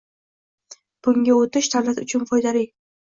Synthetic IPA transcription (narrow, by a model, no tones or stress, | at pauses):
b̥ʊŋɡʲaot̪ɪʃd̪avlat̪ʊt͡ʃʰʊnfɒjd̪alij